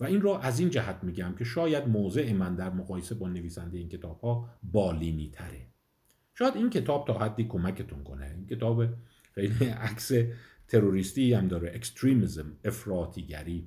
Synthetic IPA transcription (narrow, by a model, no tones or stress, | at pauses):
væinrɔːʔæzind͡ʒæhæt̪ʰmiːɟæmcʰe̞ʃɒːjæd̪moːze̞ʔemænd̪æɾmoɣɒːjese̞bɒːne̞viːsænd̪eeiːncʲʰet̪ʰɒːb̥hɒːbɒːliːniːt̪ʰæɾe | ʃɒːjæd̪inkʰe̞t̪ʰɒːb̥̚t̪ʰɒːhæd̪ːiːkʰo̞mæcʰe̞t̪ʰunkʰo̞̰nḛincʰe̞t̪ʰɒːbe | xejliʔækse | t̪ʰe̞ɾoɾiːst̪iːæmd̪ɒːɾeʔekst̪ɾiːmizme̞fɾɒːt̪ʰiːɟæ̰ɾiː